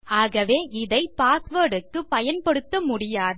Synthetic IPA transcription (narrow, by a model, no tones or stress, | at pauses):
aːɣɐʋeːʔɪðɐɪpaːsʋɐːɽɯkːɯpɐjɐnpɐɽɯt̪ːɐmʊɽɪjaːðɐ